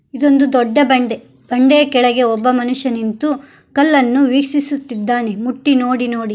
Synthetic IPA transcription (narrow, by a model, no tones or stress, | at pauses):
id̪o̞nd̪ud̪ɔɖːɐbɐɳɖe̞ | b̥ɐɳɖeːɐkɛɭɐɡe̞ɔbːɐmɐnuʂjɐnint̪u | kɐlːɐnːuʋiːksisut̪ːid̪ːaːnemuʈːino̞ːɽinoːɽi